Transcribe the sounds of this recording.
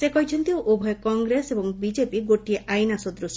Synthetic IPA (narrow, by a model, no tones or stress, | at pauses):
sekɔɦit͡ʃʰɔnt̪iʔobʱɔjɔkɔŋɡɾesebɔŋbid͡ʒepiɡoʈieʔajnasɔd̪ɾus